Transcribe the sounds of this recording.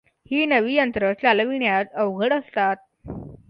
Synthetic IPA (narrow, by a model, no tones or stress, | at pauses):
hiːnəʋiːjənt̪ɾət͡saləʋiɳjat̪əʋɡʱəɽəst̪at̪̚